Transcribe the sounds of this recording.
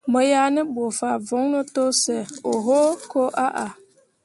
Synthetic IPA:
mə˨ja˦nə˦bo˨fa˨vo˨˦ŋno˦to˦sɛ˨o˨ɦo˦ko˦ʔa˦ʔa˨

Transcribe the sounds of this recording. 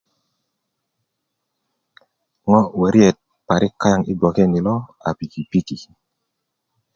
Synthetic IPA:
ŋɔ˦wə˨ɾjɛ˨t̚ | pa˨ɾɪ˦ka˦ja˦˨ŋɪ˦ɡɔ˨kɛ˦ni˨lɔ˦a̰˨pi˨ki˨pi˦ki˨

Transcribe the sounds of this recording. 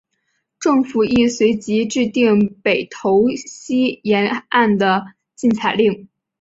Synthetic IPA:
ʈ͡ʂɤ˥˩ŋfu˨˩i˥˩swe˧˥ɪt͡ɕi˧˥ʈ͡ʂɻ̩˥˧t̪i˥˩ŋpe˨˩ɪt̪ʰo˧˥ʊɕi˥jɛ˧˥na˥˩nd̪ə˩ | t͡ɕi˥˩nt͡sʰa˨˩ɪli˥˩ŋ

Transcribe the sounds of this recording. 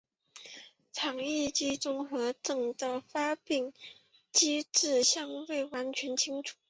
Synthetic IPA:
t͡sʰɑ˨˩ŋi˥˩t͡ɕi˥ʈ͡ʂʊ˥ŋxɤ˧˥ʈ͡ʂɤ˥˩ŋd̪ə˧fa˥pi˥˩ŋ | t͡ɕi˥ʈ͡ʂɻ̩˥˩ɕjɑ˥˧ŋwe˥˩ɪwa˧˥nt͡ɕʰɥɛ˧˥nt͡ɕʰi˥ŋʈ͡ʂʰu̥˨˩˦

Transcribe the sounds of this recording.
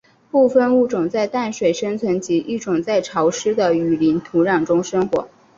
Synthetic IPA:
pu˥˧fə˥˧nu˥˩ʈ͡ʂʊ˨˩ŋt͡sa˥˧ɪt̪a˥˩nʂwe˨˩ɪʂə˥ŋt͡sʰwə˧˥nt͡ɕi˧˥ʔi˥˩ʈ͡ʂʊ˨˩ŋt͡sa˥˩ɪʈ͡ʂʰɑ˧˥ʊʂɻ̩˥d̪ə˨y˨˩li˧˥nt̪ʰu˧˥ɻɑ˨˩ŋʈ͡ʂʊ˥ŋʂɤ˥ŋxwɔ̰˧˥

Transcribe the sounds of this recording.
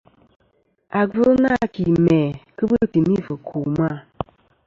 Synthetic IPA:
a˨ɡə˦na˦˨ki˨mɛ˨kɨ˦bɨ˦˨ti˨mi˦və˨kʰo˨ma˦˨

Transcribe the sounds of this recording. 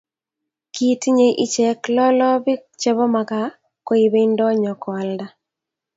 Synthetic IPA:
ki˨ti˦ɲe˨ʔi˦t͡ʃɛ˨klɔ˦lɔ˦bɪ˦t͡ʃɛ˦βɔ˦ma˨ka˨ | ko˦i˨be˦i˦ndɔ˦ɲɔ˨kɔ˨a˨lda˨

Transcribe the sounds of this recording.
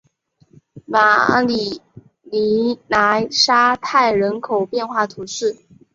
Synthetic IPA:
ma˨˩li˨˩ | li˧˥na˧˥ʂa˥t̪ʰa˥˩ɪɻə˧˥nkʰo˨˩ʊpjɛ˥˧nxwa˥˩t̪ʰu˧˥ʂɻ̩˥˩

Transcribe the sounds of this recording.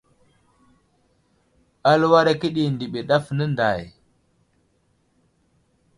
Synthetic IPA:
a˦lwa˦ɾa˦ki˦ɗi˨ndi˨ɓi˨ɗa˦fnə˦nda˨j

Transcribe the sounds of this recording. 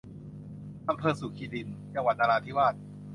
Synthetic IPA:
ʔa˧mpʰɤː˧su˨˩˦kʰiː˧li˧nt͡ɕa˧ŋwa˨˩t̪̚ʔaː˧ɾaː˧t̪ʰi˦˥˩waː˥˩t̪̚

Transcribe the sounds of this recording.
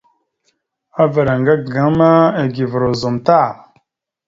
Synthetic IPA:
a˦və˨ɾa˨ŋɡa˦ɡɡa˨˦ma˦e˨ɡi˨və˨ɾo˨zo˨mta˦˨

